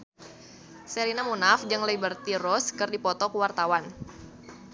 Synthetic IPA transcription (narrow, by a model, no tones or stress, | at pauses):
seɾinamunafd͡ʒɨŋleibərt̪iɾɔskɨrdipɔt̪ɔkuwart̪awan